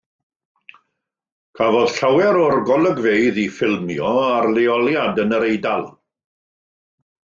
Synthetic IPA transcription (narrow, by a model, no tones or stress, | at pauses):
kʰavɔð̥ɬawɛɾɔrɡɔlˠəɡveɨðifɪlˠmjɔarleɔlˠjadənəɾejdalˠ